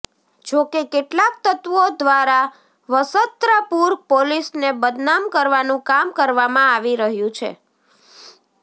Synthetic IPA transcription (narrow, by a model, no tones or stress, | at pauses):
d͡ʒokekeʈlak̚t̪ət̪ʋod̪ʋaɾa | ʋəsət̪ɾəpuɾ̚polisnebəd̪namkəɾʋanũkamkəɾʋamãaʋiɾəɦjũt͡ʃʰḛ